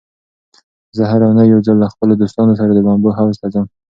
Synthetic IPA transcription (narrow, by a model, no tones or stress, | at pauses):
zəɦaɾawnəjːawd͡zalːaxpəlod̪ost̪ɑnos̬aɾad̪əbɑmboɦawst̪azəm